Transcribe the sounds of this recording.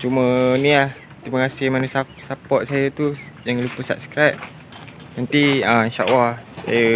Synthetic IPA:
t͡ʃumənĩlah | t̪ɾimakasɪhmanəsasapɔt̪̚sajət̪ud͡ʒaŋãlupəsa̰p̚skɾap̚ | nant̪iəʃa̰wasa̰jə

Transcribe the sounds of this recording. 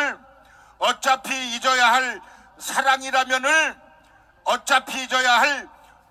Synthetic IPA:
ɭ | ʌt͡ɕ͈apʰiːd͡ʑʌjaɦaɭ | sʰaɾaŋiɾamjʌnɯɭ | ʌt͡ɕ͈apʰiːd͡ʑʌjaɦaɭ

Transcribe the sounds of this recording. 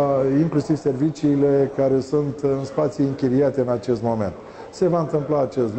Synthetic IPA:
iŋklusiv̥se̞rvit͡ʃiːle̞kaɾe̞sunt̪ɨnspat̪sjiiŋkʲiɾiat̪e̞ɨnat͡ʃe̞st̪mo̞me̞̰nt̪ | se̞vaɨnt̪ɨmplaːt͡ʃest̪

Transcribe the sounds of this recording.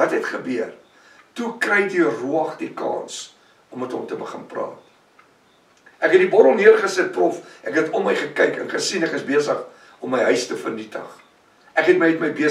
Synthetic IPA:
vɐtɦɛtχəbyər | tukrɛjtiruɐχdikɑ̰ːns | ɔmːɛtɔ̰mtəbəχənprɑ̰ːt | ʔækɦɛtdibɔɾɔmniərχəsət̚prɔfʔækɦɛtʰɔməjχəkəjkə̰nχəsinɛkəsbiəsəχ | ɔmːəjɦœɥstəfərnitə̰χ | ʔækɦɛtməjətməjbiə

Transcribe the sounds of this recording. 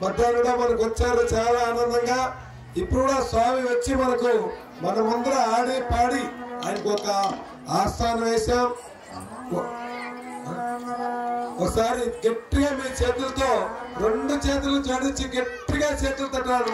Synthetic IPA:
mɐd̪ːaːnuɽoːmɐnɐk̬uʋɐt͡ʃːaːɾut͡ʃaːlaːnɐnd̪ɐŋɡaː | ipːuɽuɽaːsaːmiʋɐt͡ʃːimɐnɐku | mɐnɐmɐnd̪ɐɾɐaːɽiːpaːɽiɐjɐnɐkiɔkɐ | aːsaːnɐʋɛːʃaːm | ɔkɐsaːɾiɡeʈːiɡaːmiːt͡ʃe̞ːt̪ulɐt̪o̞ːɾeɳɖut͡ʃeːt̪ulɐd͡ʒ̪ɐɽiɲt͡ʃːiɡeʈːiɡaːt͡ʃe̞ːt̪ulɐt̪ɐɖːaːɽu

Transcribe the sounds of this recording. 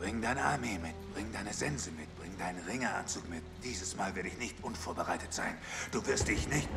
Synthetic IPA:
b̥ʁɪŋdaɪnəa̰ɐmeːmɪtb̥ʁɪŋdaɪnəzɛnzəmɪtb̥ʁɪŋdaɪnənʁɪŋɐa̰nt͡suːkmɪtd̥iːzəsmaːlvɪɐdəɪçnɪçtʔʊnfoːɐbəʁaɪtətz̥a̰ɪnd̥uːvɪɐstd̥ɪçnɪçt

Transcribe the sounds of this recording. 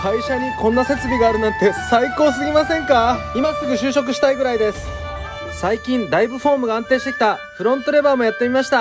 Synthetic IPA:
kaiɕaɲ̟ikõ̞nːase̞t͡sɨbʲiɡaːɾɯ̟nãnt̪e̞saiko̞ːsɨɡʲimasẽ̞ŋkaimat͡sːokɯ̟ɕɨːɕo̞k̬ɯ̟ɕi̥t̪aiɡɯ̟ɾaid̪e̞sɨ̥ | saikʲĩnd̪aibɯ̟ɸo̞ːmɯ̟ɡãːnt̪e̞ːɕi̥t̪e̞kʲi̥t̪aɸɯ̟ɾõ̞nt̪o̞ɾe̞baːmo̞jat̪ːe̞mʲimaɕi̥t̪a

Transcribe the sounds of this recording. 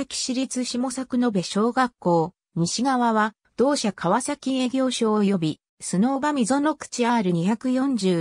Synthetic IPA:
akʲi̥ɕiɾʲit͡sɨɕimo̞sakɯ̟no̞be̞ɕo̞ːɡakːo̞ː | ɲ̟iɕiɡaβaβa | d̪̥o̞ːɕakʰaβasakʲie̞ːɡʲo̞ːɕo̞ːjo̞bʲi | sono̞ːbamʲizo̞nokɯ̥t͡ɕiaːɾɯ̟ɲ̟içakɯ̟jõ̞ɲ̟d͡ʑɨː

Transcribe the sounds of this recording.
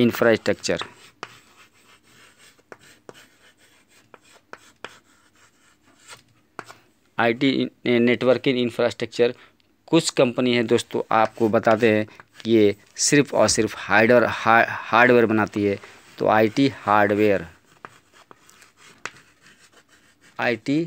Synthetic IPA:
ɪnfʰɾaːsʈɾək̚t͡ʃəɾ | aːɪʈieneːʈwəɾkɪ̃ŋɡɪnfʰɾaːsʈɾək̚t͡ʃəɾ | kʊt͡ʃʰkɐ̃mpəniɦɛd̪oːst̪õ̰ʔaːp̚kobɐt̪aːt̪eɦɛ̃kije | sɪɾpʰɔ̰ːɾsɪɾpʰhaɖəɾhaːɾɖʋeːɾbɐnaːt̪iɦɛː | t̪o̰aːiʈihaːɾɖʋeːɾ | aːɪʈi

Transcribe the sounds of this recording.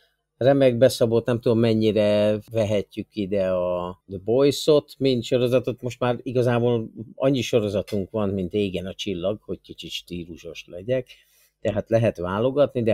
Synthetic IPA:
rɛmɛɡ̚bɛsɒbo̞t̪nɛmt̪ud̪o̞mːɛɲːiɾɛvɛɦɛcːykːid̪ɛɒd̪bojso̞t̪mint̪ʃo̞ɾo̞zɒt̪ot̪mo̞ʃt̪maːɾiɡɒzaːboːlɒ̰ɲːiʃo̞ɾo̞zɒt̪uŋkʋɒnmint̪eːɡɛnɒt͡ʃilːɒɡho̞ɟkit͡ʃit̪ʃt̪iːɾuʃo̞ʃlɛɟɛk | t̪ɛɦaːt̪lɛɦɛt̪ʋaːlo̞ɡɒt̪nid̪ɛ

